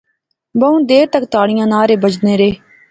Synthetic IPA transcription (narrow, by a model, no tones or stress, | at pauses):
bəũːd̪eːɾt̪ək̚t̪aːɽɪjãːnaːɾeːbəd͡ʒneːɾeː